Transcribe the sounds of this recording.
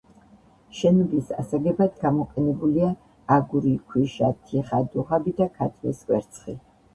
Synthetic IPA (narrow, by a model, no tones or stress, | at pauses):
ʃɛnɡisa̰saɡɛbad̪ɡamɔqʼɛnɛbuliaː | ɡuɾikʰwiʃat̪ʰiχad̪uʁabid̪akʰat̪ʰmɛ̰skʼwɛ̰ɾt̪sʰʼχi